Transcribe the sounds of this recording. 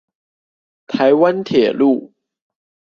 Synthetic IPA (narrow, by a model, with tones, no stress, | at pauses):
t̪ʰa˨˦ɪwa˦nt̪ʰjɛ˨˩lu˥˩